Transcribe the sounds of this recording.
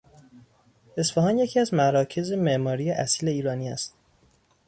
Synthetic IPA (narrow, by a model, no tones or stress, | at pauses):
e̞sfæɦɒːnje̞cʰiæzmæɾɒːcʰe̞zemeʔmɒːɾijeʔæsiːle̞iːɾɒːniːæst̪